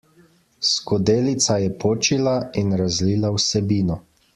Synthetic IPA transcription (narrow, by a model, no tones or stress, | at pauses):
skɔd̪eːlit̪sajɛpoːt͡ʃilainɾazliːlawsɛbiːnɔ